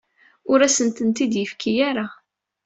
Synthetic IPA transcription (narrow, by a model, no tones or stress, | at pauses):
ʊɾæsənt̪ənt̪id̪jəfkʰijaɾa